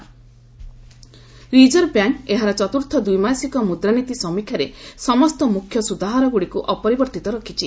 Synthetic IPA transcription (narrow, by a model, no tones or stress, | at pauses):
ɾid͡ʒɔɾbjaŋkeɦaɾɔt͡ʃɔt̪uɾt̪ʰɔd̪ujmasikɔmud̪ɾanit̪isɔmikʰjaɾesɔmɔst̪ɔmukʰːjɔsud̪aɦaɾɔɡuɽikuʔɔpɔɾibɔɾt̪it̪ɔɾɔkʰit͡ʃʰi